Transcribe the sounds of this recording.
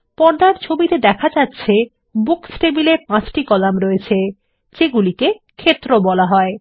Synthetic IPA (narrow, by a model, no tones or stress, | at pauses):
pɔɾd̪aɾt͡ɕʰobit̪ed̪ɛkʰad͡ʑatːɕʰe | buksʈebilepãt͡ɕʈikɔlamɾɔet͡ɕʰe | d͡ʑeɡulike | kʰet̪ːɾobɔlaɦɔe